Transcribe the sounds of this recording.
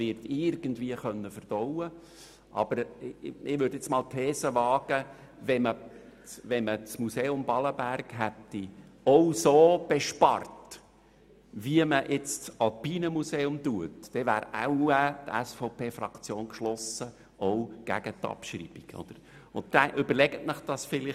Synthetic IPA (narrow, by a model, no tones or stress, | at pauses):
vɪɾtɪrɡ̥ənd̪viəχœnːəfərd̥ɔʊə | ʔɑ̰b̥əɾɪʋʏɾdet͡smɑːlt̪ʰɛːsəʋɑːɡ̥ə | vɛmət͡sʋɛnmət͡smuseːʊmbɑləbærɡɦɛt̪ːiɔwsoːb̥eʃpɑ̰rt | ʋiəməʔɪt͡stsɑlpiːnəmuseːʊmtuətd̥ɛʋæːɾɛ̰uæt̪ɛ̰sfɔʊpʰeːfrɑkt͡sjoːnkʃlɔsə | owɡ̥æ̰ɡ̥ət̪ːɑ̰pʃrḭːb̥iɡ̥ʰo̰d̥̪əɾ | ʊntdɛʔʏbəɾlɛɡ̥ətməχd̥ɑsfɪlɪ